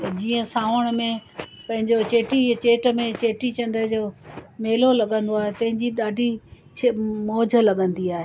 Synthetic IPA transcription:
d͡ʑiːə̃saːʋəɽ̃mẽpɐ̃ɦɪ̃ɲd͡ʑot͡ɕeːʈit͡ɕeːʈə̆mẽt͡ɕeːʈit͡ɕɐ̃nɖ̪əd͡ʑoːmeːlolɐɠə̃nd̪oaːɦet̪ɐ̃ɦɪ̃ɲd͡ʑiɗaːɖʱi | t͡ɕʰemoːd͡ʑʱə̆lɐɠə̃nd̪iaːɦeː

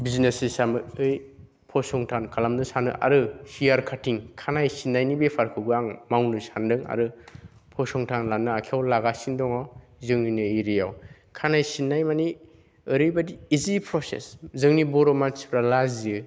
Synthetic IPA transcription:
biznesisamɯɯj | pʰɔsɔŋtʰankʰalamnɯsanɯ̰ʔa̰ɾɯhiaɾkʰatiŋkʰanajsinːajnibepʰaɾkʰɯɡɯaŋmawnɯsandɯŋa̰ɾɯ | pʰɔsɔŋtʰanlanːɯakʰiawlaɡasindɔŋaw | zɯŋninɯiɾijaw | kʰanajsinːajmani | ɯɾɯjbadiːzipʰɾɔsḛszɯŋnibɔɾɔmaspɾalaziɯ

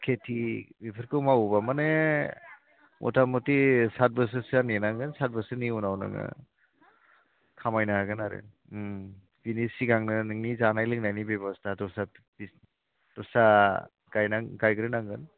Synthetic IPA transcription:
kʰetʰibipʰɯɾkɯwmawbamane | mʔɔ̰tamɔtisat̚bɯs̬ɯsanenaŋɡɯnsat̚bɯsɯniunawna̰ŋɯ̰ | kʰamajnaaɡɯnaɾɯ̰ | pinisiɡaŋnɯnɯŋnizanajlɯk̚najnibebɔstʰatɔsa | bis | tɔsa | ɡ̥ajnaŋɡajɡɯɾɯnaŋɡɯn

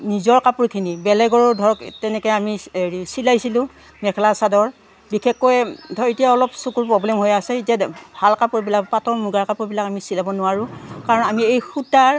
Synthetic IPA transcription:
nizɔɹkapuɹkʰinibɛlɛɡɔɹɔdʱɔɹɔktɛnɛkɔjamiɹisilajsilʊ̃ | mɛkʰɛlasadɔɹ | bikʰɛkːɔjtʰɔitijaɔlɔpsukuɹpɹɔblɛmɦojasɛitabʱalkapuɹbilak̚patɔɹmuɡaɹkapuɹbilakamisilabɔnʊwaɹʊ̃kaɹɔnamiejxutaɹ

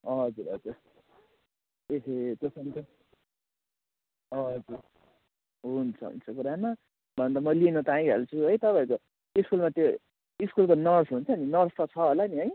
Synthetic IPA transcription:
ɦʌd͡zuɾʌ̰d͡zur | ekʰet̪osʌntʌ | ʌd͡zur | ɦunt͡sʰʌɦṵnt͡sʰʌk̬uɾama | bʱʌnt̪amʌlienut̪aĩɦḛlt͡sʰuɦʌjt̪ʌpaiko | iskulmat̪jo | iskulkonʌrsɦunt͡sʰʌːninʌrst̪ʌt͡sʰʌɦolaniɦʌj

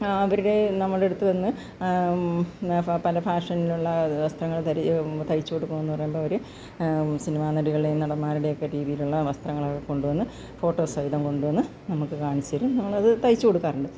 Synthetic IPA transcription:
ɐʋɐɾuɽe̞nɐmːɐɭe̞ɽut̪ːɨʋɐnːɨ | pɐlɐfaːʂɐnːiluɭːɐʋɐst̪rɐŋːɐɭt̪ɐɾit̪ɐjit͡ɕːukoɽukːɐmenːɨpɐrɐjumboːɭoɾu | sinɐmaːnɐɽiɣɐɭilenɐɽɐmːaːɾuɽejo̞kːeɾiːðijiluɭːɐʋɐst̪rɐŋːɐɭɐko̞ɳɖuʋɐnːɨ | fo̞ːʈːo̞ːsɐjðɐmko̞ɳɖuʋɐnːɨ | nɐmukːɨkaːɳit͡ɕːɐɾunːnːɐmːɭɐðɨt̪ɐjt͡ɕːɨkoɽukːaːrɐɳɖɨ

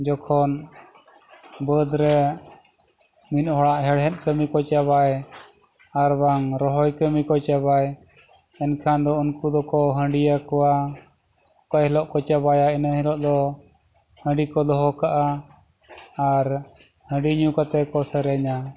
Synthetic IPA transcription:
d͡ʒɔkʰɔn | bəd̪ɾɛ | minhɔɽaʔɦɛɽɦɛ̃t̪̚ˀkəmikɔt͡ʃaβaj | aɾbaŋɾɔɦɔjkəmikɔt͡ʃaβaj | ɛnkʰand̪ɔunkud̪ɔkɔɦə̃ɳɖijakɔwa | ɔkajɛlɔʔkɔt͡ʃaβajaɛnəhɛlɔʔd̪ɔ | hə̃ɳɖikɔd̪ɔɦɔkaʔa | ɾ | hə̃ɖiɲukat̪ɛkɔsəɾɛɲa

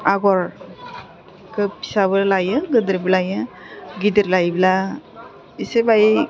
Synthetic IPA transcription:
aɡɔɾ | kɯpi̥sabɯɾlajɯɡɯdɾiblajɯ | ɡidɯɾlajbila | isebaj

